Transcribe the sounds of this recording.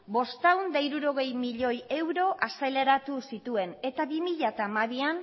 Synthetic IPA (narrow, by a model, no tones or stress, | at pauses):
bo̞st̪awnd̪aiɾuɾo̞ɣ̞e̞jmiʎo̞je̞wɾo̞ʔase̞le̞ɾat̪usit̪ue̞ne̞t̪aβimiʎat̪amaβian